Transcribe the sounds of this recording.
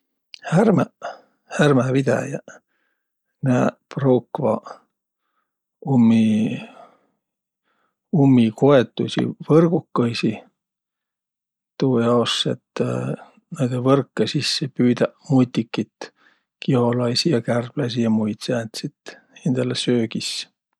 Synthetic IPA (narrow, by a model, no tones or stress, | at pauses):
hærmæ | hærmævid̪̥æ̰jɑ̰ | næːproːkvɑ̰ | umːi | umːikoet̪ːˑṵsʲḭvɤrɡ̥ukːojsi | t̪uːjɑosːḛt̪ː | ned̪̥evɤrkːesisːepyːd̪æmujt̪ʲːˑikːit̪ | kiho̞lɑjsijɑkærb̥lɑsijɑmujt̪sæːnt̪sit̪ | end̪̥ɑlesøːɡ̥is